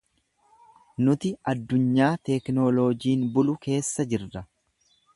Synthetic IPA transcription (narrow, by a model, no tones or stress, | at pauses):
nʊt̪ɪɐd̪ːʊɲːaːt̪ɛknoloːd͡ʒiːnbʊlʊke̞ːsːɐd͡ʒɪɾːɐ